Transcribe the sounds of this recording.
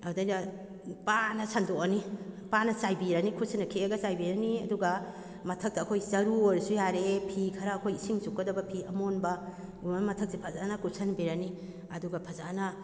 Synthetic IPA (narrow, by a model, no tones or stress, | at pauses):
ɐwdɐjnɐ | panɐsʰandoɐnipanɐsajbiɾɐnikʰusʰɐnːɐkʰeɐɡɐsajbiɾɐniɐ̰duɡɐ | mɐtʰɐk̚tɐːkʰojzɐɾuɾsujaɾepʰikʰɐɾaːkʰojisiŋsukːɐdɐbɐpʰiɐmonbɐ | ɡumɐmɐtʰɐk̚sipʰɐzanɐkʰuɾsɐnbeɾɐni | ɐduɡɐpʰɐzanɐ